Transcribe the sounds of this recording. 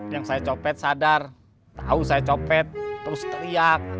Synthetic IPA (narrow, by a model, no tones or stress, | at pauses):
jaŋsajat͡ʃopɛt̪̚sadar | t̪ausajat͡ʃopɛt̪ːɾʊst̪əɾiak̚